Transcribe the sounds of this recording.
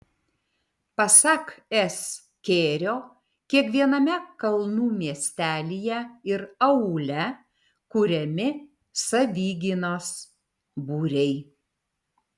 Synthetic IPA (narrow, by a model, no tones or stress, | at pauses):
pɐsɐkɛs | kʲeːɾʲoː | kʲiɛkʋʲiɛnɐmʲɛkɐlˠnuːmʲiɛsʲt̪ʲæːlʲijɛɪɾɐʊlʲɛ | kʊɾʲɛmʲɪ | sɐʋʲiːɡʲɪnoːs | buːɾʲɛɪ